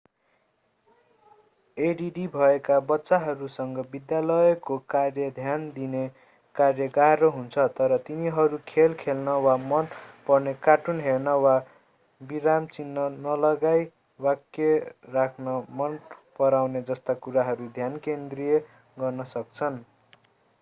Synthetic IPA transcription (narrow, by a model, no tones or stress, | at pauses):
eɖiɖibʱʌekabʌtːsaɦʌɾusʌŋɡʌbid̪jalʌekokarjʌd̪ʱjand̪ine | karjʌɡaɦroɦunt͡sʰʌt̪ʌɾʌt̪iniɦʌɾukʰelkʰelnʌwamʌnpʌrnekaʈunɦernʌwa | biɾamt͡sinːʌnʌlʌɡaj | wakːerakʰnʌmʌnpʌɾawned͡zʌst̪akuɾaɦʌɾud̪ʱjankend̪rije | ɡʌrnʌsʌk̚t͡sʰʌn